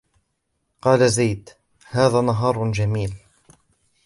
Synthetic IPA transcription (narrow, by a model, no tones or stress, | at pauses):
qɑːlazajd̪ | haːðaːnɑɦɑːɾˤd͡ʒamiːl